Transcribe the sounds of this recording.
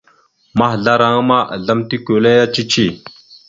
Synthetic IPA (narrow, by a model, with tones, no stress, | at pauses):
ma˦ɦɮa˦ɾa˦ŋ˦ma˦ʔa̰˨ɮa˦mt̪i˦ko˨le˦ja˦t͡ʃi˦t͡ʃi˦˨